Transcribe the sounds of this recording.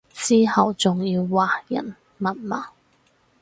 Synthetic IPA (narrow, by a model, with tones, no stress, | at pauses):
siː˥hɐ˨wt͡sʊ˨ŋjiː˧wːaː˨˩jɐ̰˨˩n | mɐ˨˩nmaː˨˥˩